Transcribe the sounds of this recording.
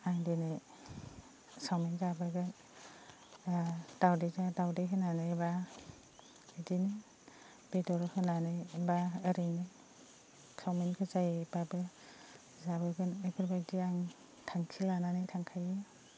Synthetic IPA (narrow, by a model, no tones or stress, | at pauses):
aŋdinɯj | sawmenzabɯɡɯn | d̥awdezadawdejɦɯnanɯjba | edinɯ | b̥edɔɾɯhʰɯnanɯjbaɯɾɯnɯj | sawmenkʰɯzajebabɯ | zabɯɡɯnepʰɯɾbadiaŋ | tʰaŋkʰilananɯjtʰaŋkʰaje